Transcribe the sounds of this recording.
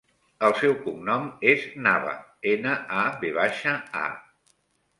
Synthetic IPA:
əlˠsɛwkumnɔmeznaβə̰enəaβeβ̞aʃəa̰

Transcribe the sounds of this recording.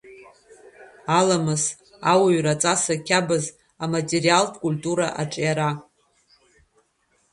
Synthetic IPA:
alamɨs | awaɥrat͡sʼasakʲʰabɨz | amatʼerialtʼkʼulʲtʼuɾaʔaʈ͡ʂʼjaɾa

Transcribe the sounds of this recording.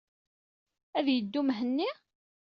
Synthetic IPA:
æðjəd̪ːumɦənːi

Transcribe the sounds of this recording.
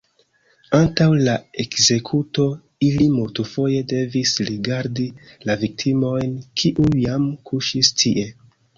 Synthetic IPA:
antawlae̞kze̞kʰuto̞ | ilimultufo̞je̞de̞visɾiɡaɾdilavik̚tʰimo̞jnkʰiʔujamkʰuʃistʰiʔe̞

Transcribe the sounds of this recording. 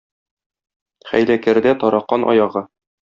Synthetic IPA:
χæ̰jlækæ̆ɾd̪æt̪ɒɾɑqːɑnʔɒ̰jɑʁɤ

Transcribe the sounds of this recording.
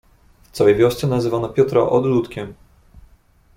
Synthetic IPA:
ft̪sawɛjvʲjɔst̪sɛnazɘvanɔpʲjɔt̪ɾa̰ʔɔd̪lut̪kʲɛm

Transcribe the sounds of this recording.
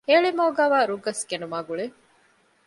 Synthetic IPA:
eːɭemɐːɡaːʋaːɾuɡɐskenumaːɡuɭe

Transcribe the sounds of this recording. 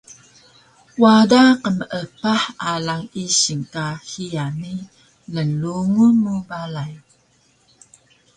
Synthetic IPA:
wadaqəməʔəpaħalaŋiɕiŋkahiani | lənluŋumubalaj

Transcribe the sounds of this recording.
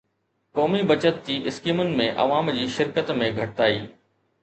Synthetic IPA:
kɔːmibɐt͡ɕət̪̚d͡ʑiːʔɪskiːmʊnɪ̆mẽʔɐ̰ʋaːmd͡ʑiːʃɪɾkət̪mẽɡʱɐʈɪt̪aːḭː

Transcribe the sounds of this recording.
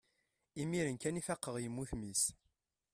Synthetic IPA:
imiɾənkænifæqːəʁjəmːuθmis

